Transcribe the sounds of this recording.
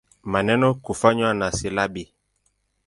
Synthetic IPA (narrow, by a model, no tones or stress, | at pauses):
manɛnɔkufaɲwanasilabi